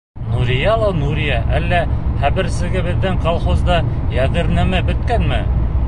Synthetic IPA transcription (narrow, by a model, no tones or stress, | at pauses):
nuɾʲijɑlˠɑwnuɾʲijɑʔælːæχæβɘ̆ɾsɘ̆ɡɘbɘ̆ðːɘŋqolˠχozd̪ɑ | jæðɘ̆ɾnæmæbɵ̆t̪̚kænmɘ̰